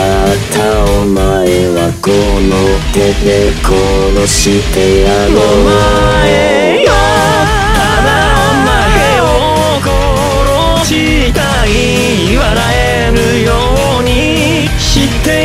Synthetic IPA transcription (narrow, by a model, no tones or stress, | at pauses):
at̪ʰaomaeβakonot̪et̪ekʰoɾoɕit̪eaɾo | e | jo | t̪ad̪a | oma | e | o | ko | ɾo | ɕi | t̪a | i | iβaɾae | ɾɯjo | ɲ̟i | ɕit̪ːe